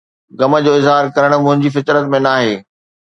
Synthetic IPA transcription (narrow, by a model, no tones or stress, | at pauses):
ɡɐmə̆d͡ʑoːɪzɦaːɾkɐɾəɽ̃̆mʊ̃ɦɪ̃ɲd͡ʑifɪt̪ɾət̪mẽnaːɦeː